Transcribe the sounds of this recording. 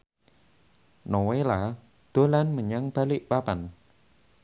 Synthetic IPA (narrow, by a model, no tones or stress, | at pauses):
nowela | d̪̥olanməɲaŋb̥alɪʔpaban